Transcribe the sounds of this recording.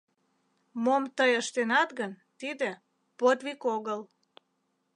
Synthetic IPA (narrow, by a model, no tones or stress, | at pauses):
momt̪əjəʃt̪enɑt̪ɡən | t̪id̪ĕ | pot̪βikoɣəl